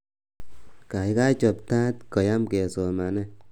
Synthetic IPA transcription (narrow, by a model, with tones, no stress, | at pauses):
ka˨jka˦t͡ʃɔ˨p̚t̪ã˦t̪kɔ˨ja˦mke˨so˨ma˨ne˦